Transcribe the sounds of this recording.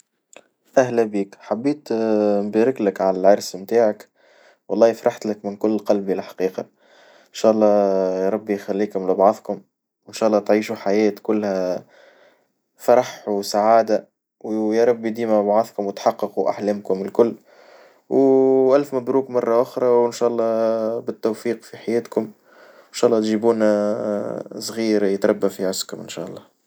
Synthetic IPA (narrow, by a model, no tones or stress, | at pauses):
ʔæhlæbiːkħabːiːt̪mbæːɾɪklɪkʕalælʕɑɾˤsmt̪aːʕak | wɑlˤːɑːjfɾˤɑħt̪lɪkmɪnkʊlːqɑlbilħḁqiːqɑ | ɪnʃæːʔɑlˤːɑːjɾˤɑbːijxælːiːkʊmlɪbʕɑðˤkʊm | ɪnʃæːʔɑlˤːɑːt̪ʕiːʃuħajɛːt̪kʊlːhæ | fɑɾˤɑħsaʕaːd̪a | wjæɾˤɑbːid̪iːmæbʕɑðˤkʊmwɪt̪ħɑqːɑquʔa̰ħlæːmkʊmɪlkʊlː | wʔælfmæbɾuːkmɑrˤːɑʔʊxɾˤɑwɪnʃæːʔɑlˤːɑːbɪt̪ːowfiːqfiħajɛːt̪kʊm | ɪnʃæːʔlːɑːt̪ʒiːbuːn | sˤɣiːɾjət̪ɾˤɑbːafiʕʊskʊmʔɪnʃæ̰ʔɑ̰lˤːɑː